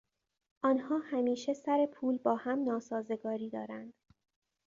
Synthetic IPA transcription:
ʔɒːnhɒːhæmiːʃe̞sæɾe̞pʰuːlbɒːhæmnɒːsɒːze̞ɡɒːɾiːd̪ɒ̰ːɾænd̪̥

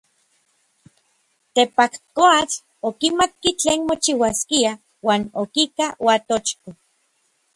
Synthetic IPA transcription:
t̪epakkoat͡ɬ | okimat̪̚kit͡ɬeːnmot͡ʃiwaskia | waːnokikawat̪ot͡ʃko

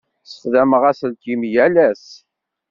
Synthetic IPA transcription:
sðæməʁæsəlt̪imjælæs

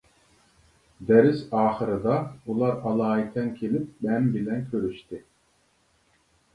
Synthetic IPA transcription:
d̪ɛɾisɑːχɯɾɯd̪ɑulˠɑɾɑlˠɑːit̪ʰɛnkʲʰelip̚mɛnbilɛnkʲʰøɾyʃt̪ɪ

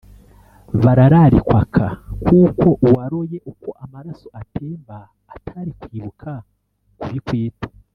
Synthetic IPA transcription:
βaɾaɾaɾikwakʰakuːko̞ʔwaɾoje̞ʔuko̞ʔamaɾaso̞ʔatʰeːmbaː | tʰaɾikwiːβukʰa | kuɾikwiːtḁ

